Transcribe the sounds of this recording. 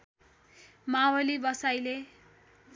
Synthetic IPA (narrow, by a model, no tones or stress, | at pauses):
mawʌlibʌsajle